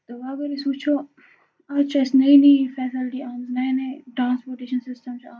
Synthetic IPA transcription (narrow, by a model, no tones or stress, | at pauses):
t̪oʋaːbɐɾisut͡ʃʰo | at͡ʃɐsnɐinĩfɛːsɪlʈiaːmznɐjnẽʈɾãːnspoːɾʈeːʃɐnsɪsʈɐmt͡ʃaː